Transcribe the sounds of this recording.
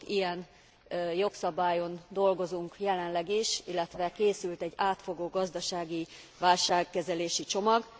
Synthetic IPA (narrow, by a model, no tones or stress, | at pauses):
ijɛn | jo̞ksɒbaːjo̞nd̪o̞lɡo̞zuŋkjɛlɛnlɛɡiʃilːɛt̪ʋɛkeːsylt̪ɛɟːaːt̪fo̞ɡoːɡɒzd̪ɒʃaːɡi | ʋaːlʃaːkːɛzɛleːʃit͡ʃo̞mɒɡ